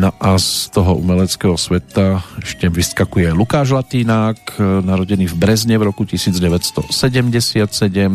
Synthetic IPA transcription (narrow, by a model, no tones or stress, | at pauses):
nɔʔast̪ɔɦɔʔṵmɛlɛt͡skɛːɦɔsʋɛt̪aɛʃcɛmʋiskakujɛlukaːʒlat̪iːnaːknaɾɔɟɛniːvbɾɛzɲɛvɾɔkucisiːd͡zɟɛʋɛtst̪ɔsɛɟɛmɟɛsɪat̪sɛɟɛm